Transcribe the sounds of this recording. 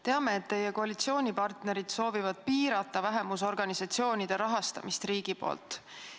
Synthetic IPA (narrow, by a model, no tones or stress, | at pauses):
t̪e̞ɑme̞ːt̪ːe̞je̞ko̞ɑlit̪sio̞ːnʲipɑrt̪ne̞ɾid̪̥so̞ːvivɑd̪̥̚piːɾɑt̪ːˑɑvæɦe̞mus̬o̞rɡ̥ɑnisɑt̪sio̞ːnʲid̪̥e̞ɾɑɦɑst̪ɑ̰mist̪riːɡ̥ipo̞̰ːlt̪ːˑ